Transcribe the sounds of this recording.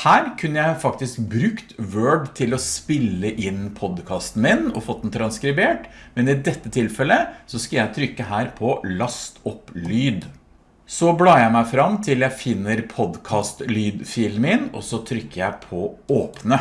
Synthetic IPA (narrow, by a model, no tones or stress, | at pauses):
hæːɾkʰʉnːəjæɪfɑk̚t̪ɪskbɾʉkt̪ʋøːɖt̪ʰɪlɔspɪlːəʔɪnːpʰɔd̪kʰɑːst̪n̩mɪnɔ̰foːd̪nt̪ʰɾɑnskɾɪbeːʈmɛnɪd̪ɛt̪ːət̪ʰɪlfɛlːəsɔskɑljæɪt̪ʰɾʏkːəɦæːɾpʰɔlɑst̪ʰɔplyːd̪ | sɔblɑːjæɪmæɪfɾɑmːt̪ʰɪljæɪfɪnːəɾpʰɔd̪kʰɑːst̪lyːd̪fɪːlmɪnɔ̰sɔt̪ʰɾʏkːəjæɪpʰɔoːpnə